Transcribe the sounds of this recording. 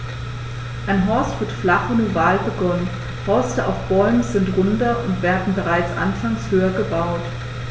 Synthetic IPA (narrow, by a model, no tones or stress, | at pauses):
ʔaɪnɦɔɐstv̥ɪɐtflaχənuvaːlbəɡɔnən | hɔɐstəʔa̰ʊfb̥ɔʏmzɪntʁʊndɐʔʊntv̥eːɐdn̩bəʁaɪt͡sʔa̰nfaŋshøːɐɡəbaʊt